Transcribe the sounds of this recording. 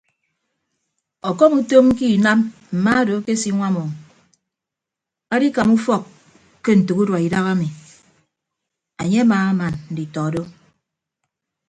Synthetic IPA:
ɔ˨kɔ˦mu˦to˦ŋŋ̩˦ki˦˨na˦mm̩˨ma˦do˨˦ke˦si˦ŋʷa˦mɔ˨ŋ | a˦di˦ka˨mu˦fɔ˦kː | kːe˦n̩˨tu˨ku˦dwa˨i˨da˦ɣa˦mi˨ | a˨ɲe˦a˦maː˨a˦ma˨nn̩˨di˨tɔ˨do˦

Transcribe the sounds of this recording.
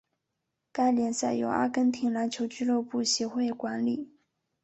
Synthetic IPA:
ka˥ɪljɛ˧˥nsa˥˩ɪjo̰˧˥ʊʔa̰˥kə˥nt̪ʰi˧˥ŋla˧˥t͡ɕʰjo˧˥ʊt͡ɕy˥˧lo˥˧ʊpu˥˩ɕjɛ˧˥xwe˥˩ɪkwa˧˥nli˨˩˦

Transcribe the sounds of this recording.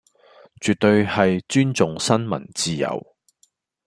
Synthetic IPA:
t͡ʃyː˨t̚t̪ɵ˧ɥhɐ˨jt͡ʃyː˥nt͡sʊ˨ŋsɐ˥nmɐ̰˨˩nt͡siː˧jɐ̰˨˩w

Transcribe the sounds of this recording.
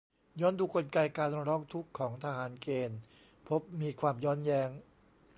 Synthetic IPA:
jɔː˦˥nduː˧ko˧nka˧jkaː˧n˧ɾɔː˦˥˩ŋt̪ʰu˦˥kʰːɔː˩˦ŋt̪ʰa˧ɦaː˩˦nkeː˧n | pʰo˦˥p̚miː˧kʰwaː˧mjɔː˦˥njɛː˦˥ŋ

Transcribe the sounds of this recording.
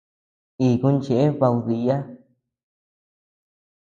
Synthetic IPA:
i˨kũ˧nt͡ʃe˧˨e˦βa˧wði˧ja˦

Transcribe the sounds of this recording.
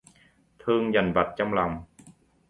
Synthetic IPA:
t̪ʰɨ˧əŋza˨˩nva˨˩t̚t͡ɕɔ˧wŋ͡mla˨˩wŋ͡m

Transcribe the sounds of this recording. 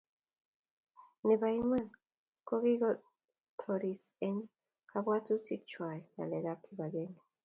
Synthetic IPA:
ne˨ba˨i˦ma˦n | ko˦ɡi˦ɡɔ˦t̚ | tʰɔɾisɛ˦n | kʰa˦ba˦tu˦tʰi˦k̚t͡ʃʰwa˨jna̰˨lɛ˨da˦p̚tʰi˨ba˨ɡe˦ni˨

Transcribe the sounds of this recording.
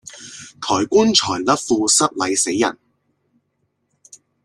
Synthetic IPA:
t̪ʰɔː˨˩jkʷuː˥nt͡ʃʰɔː˨˩jlɐ˥p̚fuː˧sɐ˥k̚lɐ˨˧jse˨˥jːɐ̰˨˩n

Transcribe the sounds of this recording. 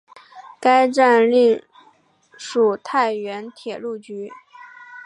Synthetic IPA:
ka˥ɪʈ͡ʂa˥˧nli˥˧˩ | ʂu˨˩t̪ʰa˥˩ɪɥɛ˧˥nt̪ʰjɛ˨˩lu˥˩t͡ɕy˧˥

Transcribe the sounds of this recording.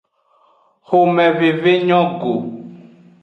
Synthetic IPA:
xo˨mɛ̃˨ve˨ve˦ɲɔ̃˦ɡo˨

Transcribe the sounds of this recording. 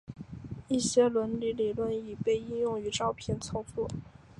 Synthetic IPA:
i˥˩ɕjɛ˥lwə˧˥nli˧˥li˨˩lwə˥˩ni˨˩pe˥˧ɪi˥njʊ˥˩ŋy˧˥ʈ͡ʂɑ˥˧ʊpʰjɛ˥˩nt͡sʰo˧˥ʊfu˥˩

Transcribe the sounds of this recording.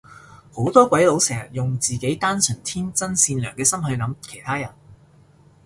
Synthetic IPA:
ho˨˥wt̪ɔː˥kʷɐ˨˥jlo˨˥wsɛː˨˩ŋjɐ˨˩t̚jʊ˨ŋt͡siː˨ke˨˥jt̪aː˥nsɵ˨˩nt̪ʰiː˥nt͡sɐ˥nsiː˧nlœː˨˩ŋkɛː˧sɐ˥mhɵ˧ɥnɐ˨˥mkʰe˨˩jt̪ʰaː˥jɐ˨˩n

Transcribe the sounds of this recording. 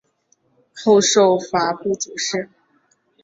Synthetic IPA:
xo˥˧ʊʂo˥˩ʊfa˧˥pu˥˩t͡su˨˩ʂɻ̩˥˩

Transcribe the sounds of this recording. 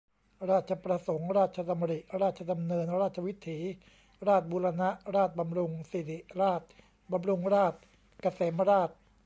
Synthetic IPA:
ɾaː˥˩t̪̚t͡ɕʰa˧pɾa˧so˩˦ŋɾaː˥˩t̪̚t͡ɕʰa˧sa˧m˧ɾi˨˩ʔɾaː˥˩t̪̚t͡ɕʰa˧da˧mnɤː˧nɾaː˥˩t̪̚t͡ɕʰa˧wi˦˥t̪ʰːiː˩˦ | ɾaː˥˩t̪̚buː˧ɾa˧na˦˥ʔɾaː˥˩t̪̚ba˧mɾu˧ŋsi˨˩t̪i˨˩ʔɾaː˥˩t̪̚ | ba˧mɾu˧ŋɾaː˥˩t̪̚ | ka˧se˩˦mɾaː˥˩t̪̚

